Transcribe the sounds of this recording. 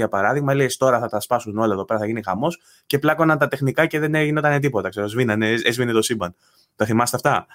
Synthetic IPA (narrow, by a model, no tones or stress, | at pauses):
ʝɐpɐɾɐðiɣmɐlest̪o̞ɾɐθɐt̪ɐspɐsuno̞lɐeðo̞pe̞ɾɐθɐʝinixɐmo̞s | ce̞plɐko̞nɐnt̪ɐt̪e̞xnikɐce̞ðeneʝino̞t̪ɐne̞t̪̬ipo̞t̪ɐkse̞ɾozvinɐneezvinet̪o̞sibɐn | t̪ɐθimɐst̪eɐft̪ɐ